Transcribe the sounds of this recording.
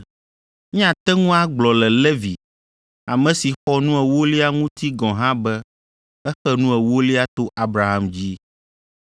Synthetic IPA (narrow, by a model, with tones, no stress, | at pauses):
ɲĩ˦ã˨t̪ɛ˦ŋũ˦a˦ɡ͡blɔ˨lɛ˨le˦vi˨ | a˨mɛ̃˨si˨xɔ˦nũ˦ɛ˨wo˦li˦a˦ŋũ˦t̪i˦ɡɔ̃˨ɦã˦bɛ˦ | ɛ˦xɛ˦nũ˦ɛ˨wo˦li˦a˦t̪o˦ʔa˦bɾa˨ɦa˦md͡ʑi˦